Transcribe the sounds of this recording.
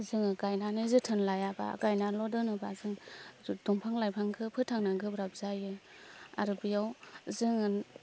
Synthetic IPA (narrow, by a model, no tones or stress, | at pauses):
zɯŋɯɡajnanɯzɯtʰɯnlajaba̰ɡajnalɔdɯnɯbazɯŋduŋpʰaŋlajpʰaŋkʰɯpʰɯtʰaŋnaɡɯbɾap̚zajɯ | a̰ɾɯbijawzɯŋɯn